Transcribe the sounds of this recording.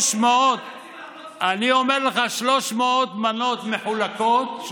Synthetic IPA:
ʃmeot̪ | aniomeʁleχaʃloʃmeot̪manot̪meħulakot̪̚

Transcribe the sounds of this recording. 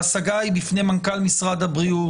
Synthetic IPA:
saɡaibifne̞jmankalmisʁad̪abʁiu

